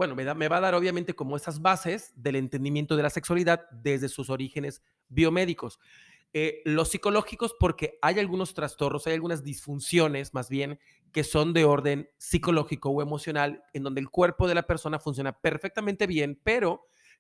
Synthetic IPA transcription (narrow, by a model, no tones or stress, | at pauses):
bwe̞no̞meðame̞βaðaɾo̞β̞jament̪e̞ko̞mo̞e̞sazβase̞zðe̞le̞nt̪e̞nd̪imjent̪o̞ð̞e̞lase̞kswaliðaðd̪e̞zðe̞suso̞ɾixe̞ne̞z | βio̞me̞ðiko̞s | elo̞sːiko̞lo̞xiko̞spo̞ɾke̞ajalɣuno̞st̪ɾast̪o̞rno̞sajalɣunazðisfunsjo̞ne̞zmazβje̞ŋ | ke̞so̞nd̪e̞o̞ɾðe̞nsiko̞lo̞xiko̞oe̞mo̞sjo̞nalend̪ond̪elkwe̞ɾpo̞ð̞e̞lape̞ɾso̞nafuns̬jo̞nape̞ɾfe̞k̚t̪ament̪e̞βje̞npe̞ɾo̞